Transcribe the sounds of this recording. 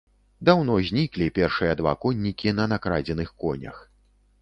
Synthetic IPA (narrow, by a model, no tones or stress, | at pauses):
d̪awnɔzʲnʲiklʲipʲɛrʂɨjɐd̪va̰kɔnʲːikʲin̪ɐnakɾad͡zʲɛnɨxkɔnʲɐ̰x